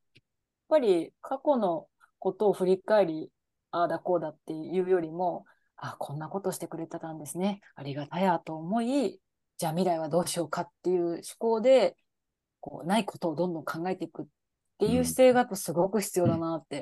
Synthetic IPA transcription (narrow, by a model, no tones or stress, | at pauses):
jjaapːaɾʲikʰako̞no̞ | ko̞t̪o̞ːɸɯ̟ɾʲikae̞ɾʲi | aːd̪ako̞ːd̪at̪ːe̞jɯ̟ːjo̞ɾʲimo̞ | akʰõ̞nːako̞t̪o̞ːɕi̥t̪e̞kɯ̟ɾe̞t̪at̪ãnd̪e̞sɨne̞ | aɾʲiɡat̪ajat̪o̞ːmo̞i | d͡ʑaːmʲiɾaiβ̞ad̪o̞ːɕio̞ːkat̪ːe̞jɯ̟ːɕi̥ko̞ːd̪e̞ | ko̞̰ːnaikʰo̞̥t̪o̞ːd̪õnd̪õ̞ŋkʰãŋɡae̞t̪e̞ikɯ̟tː | e̞jɯ̟ːɕi̥se̞ːɡat̪ːosɨɡo̞kɯ̟çi̥t͡sɨjo̞ːd̪anat̪ːe̞